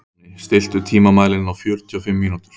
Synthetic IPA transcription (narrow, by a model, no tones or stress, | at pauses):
st̪ɪl̥t̪ʏt̪ʰiːmamaːðlɪnnawfjœɾt̪ʰiɔfɪmːiːnut̪ʏ̥ɾ̥